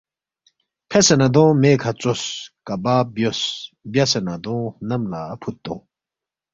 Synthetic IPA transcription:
pʰesɐnɐd̪õmekʰat͡soskabaːbjosbjasɐnɐd̪ɔ̃nɐmlapʰut̪ːɔ̰̃

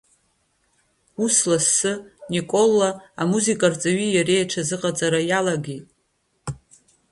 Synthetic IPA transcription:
uslasːɨnikʼo̞lːaamuzikʼart͡sʼaɥijaɾe̞jaʈ͡ʂʰazɨqʼat͡sʼaɾajalaɡitʼ

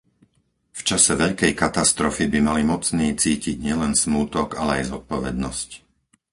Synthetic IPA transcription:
ft͡ʃasɛʋɛʎkɛjkat̪ast̪ɾɔfibimalimɔt͡sniːt͡siːciɟɲɪɛlɛnsmuːt̪ɔɡalɛajzɔt̪̚pɔʋɛd̪nɔsc

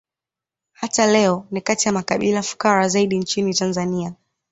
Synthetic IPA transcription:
hatalɛɔnikatijamakaɓilafu̥kaɾazaiɗint͡ʃinitanzania

